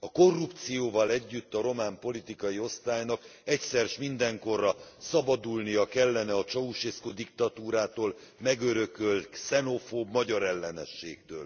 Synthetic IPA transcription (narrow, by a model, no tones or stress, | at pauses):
ɒko̞rːupt̪sijoːvɒlɛɟːyt̪ːɒɾo̞maːmpo̞lit̪ikɒjio̞st̪aːjnɒkɛcsɛrʃmind̪ɛŋko̞rːɒsɒbɒd̪ulnijɒkɛlːɛnɛɒt͡ʃɒuʃeskod̪ikt̪ɒt̪uːɾaːt̪oːlmɛɡøɾøkølt̪sɛno̞foːbmɒɟɒɾɛlːɛnɛ̰ʃːeːkt̪ø̰ːl